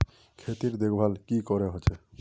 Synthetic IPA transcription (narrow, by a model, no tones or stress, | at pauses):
kʰet̪iɾd̪ekʰbʱalkikɔɾeɦot͡ʃʰe